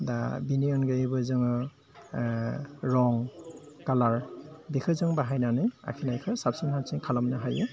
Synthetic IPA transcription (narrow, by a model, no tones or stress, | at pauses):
dabiniɔnɡɯjibɯzɯŋɔ | ɹɔŋkalaɹbikʰɯzɯŋbaɦajnanaja̰kʰinajkʰɯsap̚sinhapsiŋkʰalɔmnaɦajɯ